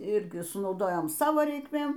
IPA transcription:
ˈɪrʲɡʲɪ sʊnɐʊˈdoːjoːm ˈsɑːʋoː rʲɛɪkˈmʲeːm

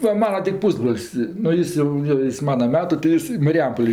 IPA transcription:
ˈʋɐ ˈmɑːnɐ tʲɪ ˈpuːzbroːlʲsʲ nʊ ˈjɪs jɛʊ joː ˈjɪs ˈmɑːnɐ ˈmʲæːtʊ tɐɪ ˈjɪs ɪ mɐrʲɪˈjɛmpoːlʲeː

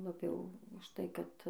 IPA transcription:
lˠɐˈbʲɛʊ ʊʃ ˈtɐɪ ˈkɐt

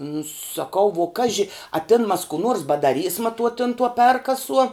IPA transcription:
nʊ sɐˈkɐʊ ʋuɔ ˈkɑːʒʲɪ ɐ ˈtʲɪn mɐs kuː ˈnuɔrs bɐdɐˈrʲiːsmɐ tuɔ tʲɪn tuɔ ˈpʲɛrkɐsuɔ

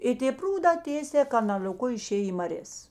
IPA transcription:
ˈɪ tʲeː ˈpruːdɑː ˈtʲeːsʲɛː kɐnɐlʲoːˈkʊ ɪˈʃʲeːj iː mɐˈrʲeːs

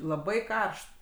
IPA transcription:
lˠɐˈbɐɪ ˈkɐrʃt

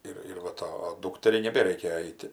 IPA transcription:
ˈɪr ɪr ʋɐ ˈtɐ ˈduːktʲɛrʲɛɪ nʲɛˈbʲæːrʲɛɪkʲɛ ˈɛɪtʲɪ

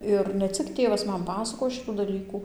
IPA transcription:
ˈɪr nʲɛ ˈt͡sʲɪk ˈtʲeːʋɐs ˈmɐn ˈpɑːsɐkoːjoː ˈʃʲɪtuː dɐˈlʲiːkuː

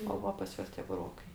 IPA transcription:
oː ˈʋɐ pɐs ˈjuɔs tʲiɛ bʊˈroːkɐɪ

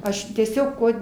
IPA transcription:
ˈɐʃ tʲiɛˈsʲoːk ˈkuɔ

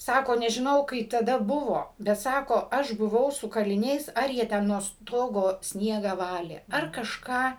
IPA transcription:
ˈsɑːkoː nʲɛʒʲɪˈnɐʊ kɐɪp tɐˈdɐ ˈbʊʋoː bʲɛt ˈsɑːkoː ˈɐʃ bʊˈʋɐʊ sʊ kɐlʲɪˈnʲɛɪs ˈɐr jiɛ ˈtʲɛn nuɔ ˈstoːɡoː ˈsʲnʲiɛɡɑː ˈʋɑːlʲeː ɐr kɐʃˈkɑː

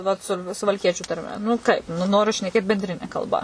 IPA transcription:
ʋɐt ˈsʊ sʊʋɐlʲˈkʲiɛt͡ʃʲʊ tɐrʲˈmʲɛ nʊ ˈkɐɪp nʊ ˈnoːrʲʊ ʃʲnʲɛˈkʲeːt bʲɛnʲˈdʲrʲɪnʲɛ kɐlˠˈbɐ

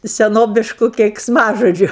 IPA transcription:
sʲɛˈnoːbʲɪʃkʊ kʲɛɪksˈmɑːʒoːd͡ʒʲʊ

